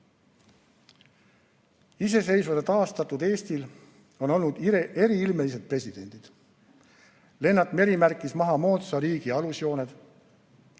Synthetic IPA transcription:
is̬e̞s̬e̞jsvɑd̪et̪ɑːst̪ɑt̪ːud̪e̞ːst̪il | o̞no̞lnud̪̥ie̞ɾiilme̞lis̬e̞d̪̚pre̞sʲid̪̥e̞nʲd̪̥id̪̥ | le̞nːɑt̪me̞ɾimærkˑːismɑɦɑmo̞ːt̪sɑɾiːɡ̥iɑlusjo̞ːned̪̥

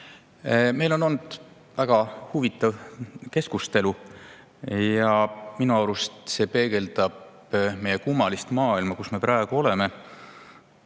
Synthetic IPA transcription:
me̞jlo̞nond̪̥ | væɡ̥ɑhuvit̪ːˑɑvke̞skust̪e̞lu | jɑminuɑwɾust̪se̞ːpe̞ːɡ̥e̞ld̪̥ɑb | me̞jekumːɑlist̪mɑːilmɑkusme̞pɾɑeɡ̥uo̞le̞me̞

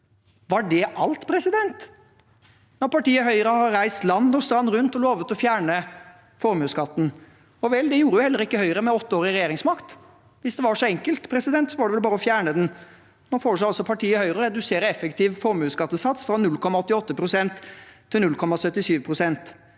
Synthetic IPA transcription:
ʋɑɖɛʔɑlt̪pʰɾɛsɪd̪ɛnt̪ | nɔɾpɑʈiːəɦœʏəɾəhɑɾæɪst̪lɑnd̪ɔst̪ɾɑnːɾʉnt̪ɔloːʋət̪ɔfjæːɳə | fɔɾmʉːskɑt̪ːn̩ | ɔʋɛld̪ɛjuːɾəjʊhɛlːəɾɪkːəhœʏəɾəmɛɔt̪ːəoːɾɪɾɛjeːɾɪŋsmɑkt̪ | ʋɪsd̪ɛʋɑʂɔɛŋkəlt̪pʰɾɛsɪd̪ɛnt̪sɔʋɑɖɛʋɛlbɑːɾəɔfjæːɳəd̪ɛn | nɔɾfoːʂæɪɑlsɔpʰɑʈʰiːəhœʏɾəɔɾɛd̪ʉseːɾəɛfəkt̪ʰiːʋfɔɾmʉːskɑt̪ːəsɑt̪sfɾɑnʉlkʰɔmːɑɔt̪ːɪɔt̪ːəpʰɾʊsɛnt̪ʰː | ɪlnʉlkʰɔmːɑsœt̪ːɪsyːʋpʰɾʊsɛnt̪

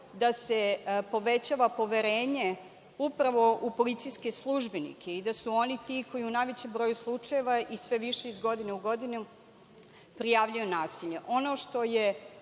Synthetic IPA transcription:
d̪asepo̞ʋet͡ɕaʋapo̞ʋeɾeːɲe | upɾaʋo̞ʔupo̞lit̪sijske̞slˠuʒbenḭkʰeid̪asuo̞nit̪ikojiunajʋet͡ɕembɾo̞ːjuslˠut͡ʂaje̞ʋaʔisʋe̞ʋiʃeizɡo̞d̪ineuɡo̞d̪inu | pɾijaːʋʎujonaːsiʎeʔo̞no̞ʃt̪o̞je

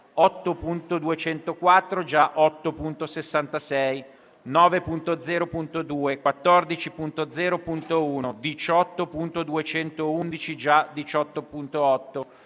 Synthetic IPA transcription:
ɔt̪ːopunt̪od̪uet͡ʃɛnt̪okwat̪ːɾod͡ʒaʔɔt̪ːopunt̪osesːant̪asɛj | nɔːvepunt̪od̪zɛːɾopunt̪od̪uːekwat̪ːɔrd̪it͡ʃipunt̪od̪zɛːɾopunt̪ouːnod̪it͡ʃɔt̪ːopunt̪od̪uet͡ʃɛnt̪ound̪it͡ʃid͡ʒad̪it͡ʃɔt̪ːopunt̪oɔt̪ːo

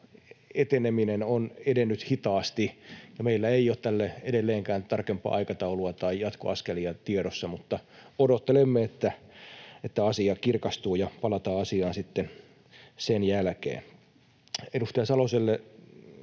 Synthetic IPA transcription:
et̪eneminenonedenːyt̪hit̪ɑːst̪ijɑmeilːæeijˑoːt̪t̪ælːæedelːeːŋkæːnt̪ɑrkempːˑɑ̰ʔɑikɑt̪ɑuluɑt̪ɑijɑt̪ko̰ɑskeliɑt̪ieɾosːɑmut̪ːɑodot̪ːelemːeet̪ːæ | et̪ːæɑsiɑkirkɑst̪uːjɑpɑlɑt̪ɑːɑsiɑːnsit̪ːen | senjælkḛːn | edust̪ejɑsɑloselːe

